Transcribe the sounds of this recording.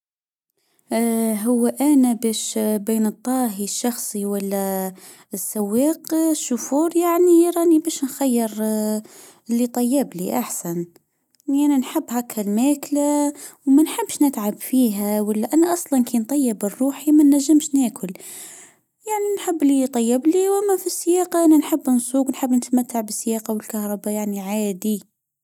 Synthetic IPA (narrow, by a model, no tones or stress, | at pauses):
ɦʊwːaʔænæbæːʃbiːnɨt̪ˤːɑːɦiʃːɑxsˤiwalːæ | ɪsːawːeːqʃːufuːɾjaʕniɾˤɑːnibæːʃnxæjːɪɾ | lːit̪ˤɑjːɪbliʔaħsæn | aninħɪbːhækhælmæːklawmænħɪbːʃnɪt̪ʕabfiːɦæwalːaʔænaʔɑsˤlɑnkʰiːnt̪ˤɑjːɪbərˤːuːħimænːæʒːɪmʃnæːkʊl | jaʕninħɪbːlit̪ˤɑjːɪbliwʔæmːæfisːɪjɑːqɑʔananħɪbːnsˤuːɡwnħɪbːnət̪mat̪ːaʕbɪsːjɑːqɑwɪlkahɾˤɑbajaʕniʕaːd̪i